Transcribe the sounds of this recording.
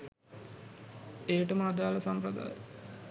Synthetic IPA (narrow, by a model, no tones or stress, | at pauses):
eːʈəməːd̪aːlɐsampɾəd̪a̰ːj